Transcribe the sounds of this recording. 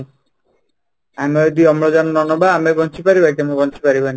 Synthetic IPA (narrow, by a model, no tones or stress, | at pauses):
amɔd̪iɔmlɔd͡ʒanɔnɔnɔbaːmeɡɔnt͡ʃʰipaɾibaik̪amebɔnt͡ʃʰipaɾibani